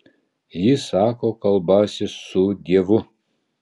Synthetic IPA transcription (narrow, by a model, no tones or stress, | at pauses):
jɪsɑːkoːkɐlˠbɑːsʲɪsʊd̪ʲiɛʋʊ